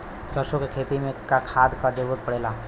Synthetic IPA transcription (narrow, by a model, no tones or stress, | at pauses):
səɾʃokekʰeːt̪imẽkakʰaːd̪kad͡ʒeʋət̪̚pəɽeːlaː